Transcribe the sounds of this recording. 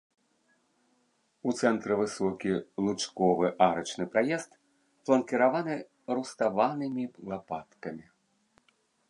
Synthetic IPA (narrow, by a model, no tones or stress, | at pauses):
ut̪sɛnt̪ɾɨvɨsɔkʲilˠut͡ʂkɔvɨʔaɾɐt͡ʂnɨpɾajɛst̪ | plˠɐnkʲɛɾavanɨ | ɾust̪avanɨmʲilˠapat̪kɐmʲi